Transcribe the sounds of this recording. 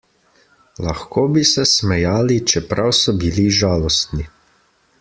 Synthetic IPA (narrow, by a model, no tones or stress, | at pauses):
laxkoːbisɛsmɛjaːlit͡ʃɛpɾʔawsɔbiliʒaːlɔst̪ni